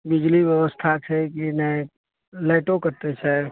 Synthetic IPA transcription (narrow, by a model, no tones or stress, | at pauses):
bɪd͡ʒliʋjəʋəst̪ʰat͡ʃʰɛkinɛ̃ | laɪʈõkəɾt̪et͡ʃʰɛ